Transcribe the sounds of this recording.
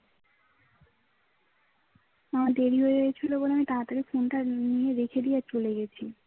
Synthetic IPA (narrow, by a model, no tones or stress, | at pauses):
amad̪eɾiɦoeeeet͡ɕʰiloboleamit̪aat̪aɾifonʈanijeɾekʰed̪ijet͡ɕoleɡet͡ɕʰi